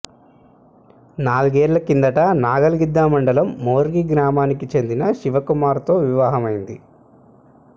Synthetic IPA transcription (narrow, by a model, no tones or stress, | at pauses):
naːluɡeːɾlɐkind̪ɐʈɐnaːɡɐlɡid̪ːaːmɐɳɖɐlɐmːoːɾɡiɡɾaːmaːnikit͡ʃe̞nd̪inɐʃiʋɐkumaːɾt̪o̞ːʋiʋaːɦɐmɐjind̪i